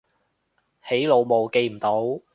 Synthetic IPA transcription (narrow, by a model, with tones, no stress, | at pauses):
he˨˥jlo˨˧wmo˨˧wke˧jm̩˨˩t̪o˨˥w